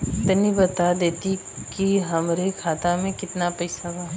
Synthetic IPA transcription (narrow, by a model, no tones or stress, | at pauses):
ɪt̪nibɐt̪ad̪eːt̪i | kiɦɐmɾekʰaːt̪amẽkɪt̪napɐɪsabaː